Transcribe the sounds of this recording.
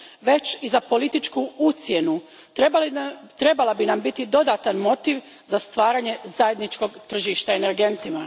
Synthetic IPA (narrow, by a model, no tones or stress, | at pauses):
ʋe̞t͡ɕizapo̞lit̪it͡ʃkuut̪sjenu | t̪ɾe̞balˠabinambit̪id̪o̞d̪at̪anmo̞t̪iʋ | zast̪ʋaːɾaɲe̞zaje̞d̪nit͡ʃko̞ɡt̪r̩ʒiʃt̪aeneɾɡe̞nt̪ima